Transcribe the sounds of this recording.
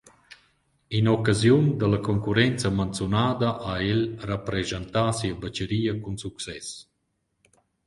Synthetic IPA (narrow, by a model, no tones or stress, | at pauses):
inɔkazjund̪əlakɔŋkuɾɛnt͡samant͡sjunaːd̪aʔaɛlrapɾɛzant̪aːsiəbat͡ʃəɾiːəkunsuksɛs